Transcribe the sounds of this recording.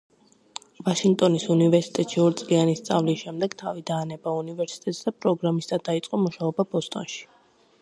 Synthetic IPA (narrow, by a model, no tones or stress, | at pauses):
vaʃiŋɡ̚t̪ʼɔnisunivɛɾsi̥t̪ʼɛt̪ʼʃiɔɾt̪sʼlianist̪sʼa̰vliʃɛmd̪ɛɡ̥t̪ʰavid̪aːnɛbaunivɛɾsi̥t̪ʼɛt̪ʼsd̪apʼɾɔɡɾamist̪ʼad̪ait̪sʼqʼɔmuʃaɔbabɔst̪ʼɔ̰nʃi̥